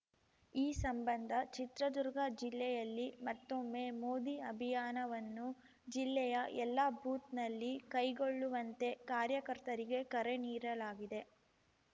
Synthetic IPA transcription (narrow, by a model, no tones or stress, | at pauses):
iːsɐmbɐnd̪ʱɐt͡ʃit̪ɾɐd̪uɾɡɐd͡ʒilːɛjɐlːimɐt̪ːomːeːmoːd̪iɐbʱijaːnɐʋɐnːu | d͡ʒilːɛjɐʔɛlːɐbʱuːt̪nɐlːikɐjɡo̞ɭːuʋɐnt̪e̞kaːɾjɐkɐɾt̪ɐɾiɡe̞kɐɾeniːɾɐlaːɡid̪e̞